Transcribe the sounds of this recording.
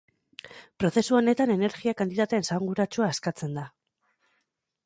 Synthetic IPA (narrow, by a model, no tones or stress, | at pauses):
pɾo̞θe̞suo̞ne̞t̪ane̞ne̞ɾɣiakant̪it̪at̪e̞ːnsaŋɡuɾat͡ʃuaːskat͡se̞nd̪a